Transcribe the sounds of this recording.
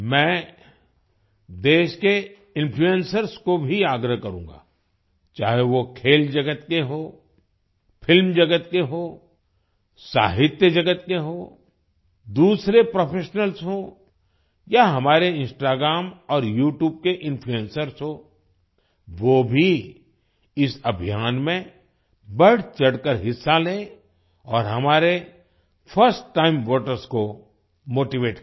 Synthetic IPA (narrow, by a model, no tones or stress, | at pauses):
mɛ̃ː | d̪eːʃke | ɪ̃npʰluə̃nsəɾskobʱiaːɡɾəɦkɐɾũːŋɡa̰ː | t͡ʃaːɦeʋokʰeːld͡ʒɐɡət̪keɦoː | fʰɪlmd͡ʒɐɡət̪keɦoː | sa̰ːɦɪt̪jəd͡ʒɐɡət̪keɦoː | d̪uːsɾepɾoːpʰeːʃnəlsɦõː | jaɦɐmaːɾeɪ̃nsʈaːɡɾaːmɔːɾjuːʈjuːb̚keʔɪ̃npʰluẽnsəɾsɦoː | ʋoːbʱi | ɪsɐbʱijaːnmẽ | bɐɽt͡ʃɐɽkəɾɦɪsːaleː | ɔːɾɦɐmaːɾe | pʰəɾsʈːaːɪmʋəːʈəɾsko | moːʈiʋeːʈ